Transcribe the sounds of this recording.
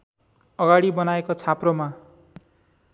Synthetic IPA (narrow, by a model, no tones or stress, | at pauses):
ʌɡaɽibʌnaekot͡sʰaproma